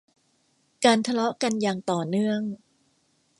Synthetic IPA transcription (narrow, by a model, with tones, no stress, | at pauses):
kaː˧nt̪ʰa˧lɔ˦˥ʔka˧njaː˨˩ŋt̪ɔː˨˩nɯ˥˩əŋ